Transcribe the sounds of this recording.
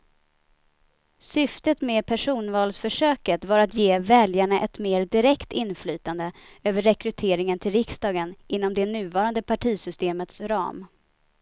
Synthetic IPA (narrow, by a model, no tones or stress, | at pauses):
sʏft̪ət̪mɛːpʰæʂuːnvɑːlsfœʂøːkət̪vaɾat̪jeːvɛljaɳaʔɛt̪meːɾd̪ɪɾɛkt̪ɪnflyːt̪and̪ə | øːvəɾːɛkɾɵt̪ʰeːɾɪŋənt̪ʰɪlɾɪksd̪ɑːɡənʔɪn̪ːɔmd̪ɛnʉ̟ːvɑːɾand̪əpʰaʈʰiːsʏst̪eːmət̪sɾɑ̰ːm